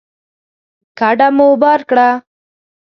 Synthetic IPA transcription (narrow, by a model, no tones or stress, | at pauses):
kaɖamobɑɾkɽa